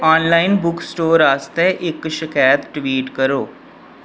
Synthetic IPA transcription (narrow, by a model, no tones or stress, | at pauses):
aːnlaːinbʊksʈoːɾaːst̪ɛːʔɪkʃɪkaːjət̪ʈʋiːʈkəɾoː